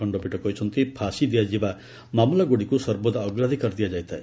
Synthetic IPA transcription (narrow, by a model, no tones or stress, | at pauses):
ɔɳɖɔbiʈɔkɔɦit͡ʃʰɔnt̪ipʰasid̪ijad͡ʒiba | mamulaɡuɽikusɔɾbɔd̪ːɡɾad̪ʱikɔɾd̪ijad͡ʒajt̪ʰae